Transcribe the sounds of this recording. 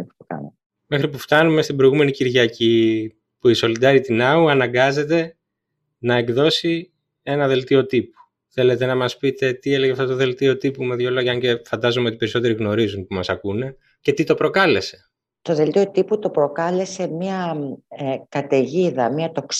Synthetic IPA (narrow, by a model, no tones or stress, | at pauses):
pt̪okɐ̰no | me̞xɾipuft̪ɐnume̞st̪ibɾo̞iɣume̞niciɾʝɐci | puiso̞lid̪ɐɾit̪inɐuɐnɐŋɡɐze̞t̪̬e̞ | nɐe̞ɡðo̞si | e̞nɐðe̞lt̪io̞t̪ipu̥ | θe̞let̪e̞nɐmɐspit̪e̞t̪ie̞le̞ʝeɐft̪ot̪oðe̞lt̪io̞t̪ipumeðʝoloʝɐɐɲce̞fɐnd̪ɐzomeo̞t̪i̥pe̞ɾiso̞t̪e̞ɾiɣno̞ɾizunpumɐsɐkune̞ | ce̞t̪it̪o̞pɾo̞kɐle̞se̞̥ | t̪oðe̞lt̪io̞t̪iput̪o̞pɾo̞kɐle̞se̞miɐ | kɐt̪eʝiðɐmiɐt̪o̞ks